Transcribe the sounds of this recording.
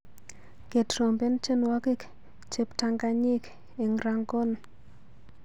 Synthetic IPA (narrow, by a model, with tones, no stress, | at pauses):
ke˨tɾo˨mbe˦nt͡ʃe˦nwa˦ki˦k | t͡ʃe˦pta˨ŋɡa˨ɲɪ˦k | ɪ˨ŋɾa˨ŋɡo˦n